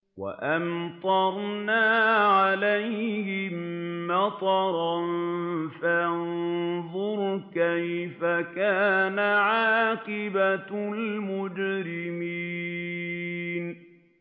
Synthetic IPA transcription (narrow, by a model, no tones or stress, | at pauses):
wa̰ʔant̪ˤɑɾˤnaːʕalajhɪmːat̪ˤɑɾˤɑnfajanðˤʊɾkajfakaːnaʕaːqɪbalmʊd͡ʒɾɪmiː | n